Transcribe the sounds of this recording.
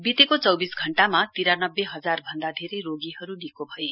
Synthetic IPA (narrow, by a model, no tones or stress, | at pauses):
bit̪ekot͡sʌwbisɡʱʌɳʈamat̪iɾanʌbːeɦʌd͡zarbʱʌnd̪ad̪ʱeɾʌjɾoɡiɦʌɾunikobʱʌje